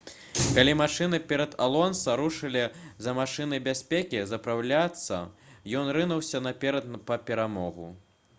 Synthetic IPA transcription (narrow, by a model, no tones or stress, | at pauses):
kalʲimaʂɨnɨpʲɛɾɐd̪a̰lˠɔnsɐɾuʂɨlʲizɐmaʂɨnɨbʲasʲpʲekʲizɐpɾawlʲat̪sːɐ̰jɔnɾɨnɐwsʲɐnɐpʲɛɾɐt̪npɐpʲɛɾamɔɣṵ